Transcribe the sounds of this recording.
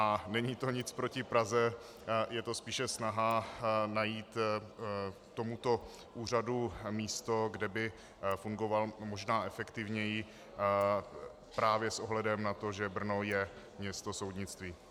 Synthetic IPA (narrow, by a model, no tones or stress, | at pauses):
ʔanɛɲit̪o̞ɲɪt͡spɾo̞cɪpɾazɛ | jɛt̪o̞spiːʃɛsnaɦanajiːt̪ | t̪o̞mut̪o̞ | ʔuːr̝adumiːst̪o̞ɡdɛbɪ | fuŋɡovalmoʒnaːʔɛfɛkt̪ɪvɲɛjɪ | pɾaːvjɛsʔoɦlɛdɛmnat̪o̞ʒɛbr̩no̞jɛ | mɲɛst̪o̞so̞wdɲɪt͡st̪viː